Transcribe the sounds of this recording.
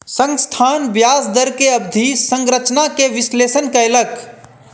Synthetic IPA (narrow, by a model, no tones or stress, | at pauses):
sə̃ŋɡst̪ʰaːnbjaːsd̪əɾkeɐbd̪ʱisə̃ŋɡɾət͡ʃnakeʋɪsleːsənkaɪlək